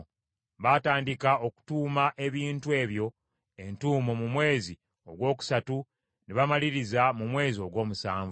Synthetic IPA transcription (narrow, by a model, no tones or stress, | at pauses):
βataːndikao̞ku̥tuːmaʔe̞βiːntue̞ːβjo̞ | e̞ntuːmomumwe̞ːzi | oɡwo̞ːku̥satu | neβamaliɾizamumwe̞ːzio̞ɡwo̞ːmusaːɱvu